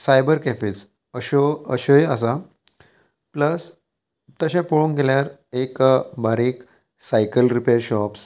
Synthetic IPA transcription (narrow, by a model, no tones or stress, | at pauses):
sajbəɾkɛfit͡s | əɕoə̰ɕojəs̬a | pləs | t̪əɕãpoɭuːŋkeljaɾekbaɾiːk | sajkəlɾipeɾɕɔps